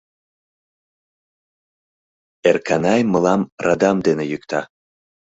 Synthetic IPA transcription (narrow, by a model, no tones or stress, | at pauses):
erkɑnɑjməlɑmrɑd̪ɑmd̪enejykt̪ɑ